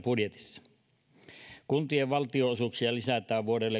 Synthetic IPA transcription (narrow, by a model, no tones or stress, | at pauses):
pudjet̪i̥sːɑ̥ | kunt̪ieʋʋɑlt̪ioosuksiɑlisæt̪ˑæːʋʋuodelːe